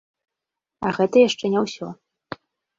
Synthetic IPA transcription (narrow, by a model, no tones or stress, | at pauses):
ɐɣɛt̪ɐjaʂt͡ʂɛnʲɛwsʲɔ